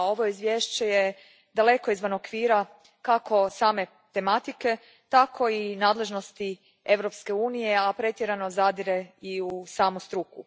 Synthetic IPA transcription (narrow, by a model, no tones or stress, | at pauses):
o̞ʋo̞izʋjeːʃt͡ɕeje | d̪ale̞ko̞izʋanokʋiːɾa | kakʰo̞saːme̞ | t̪e̞mat̪ike̞ | t̪akʰo̞inaːd̪le̞ʒno̞st̪i | e̞ʋɾo̞pske̞uːnije̞apɾe̞t̪je̞ɾano̞zad̪iɾe̞iusaːmust̪ɾuku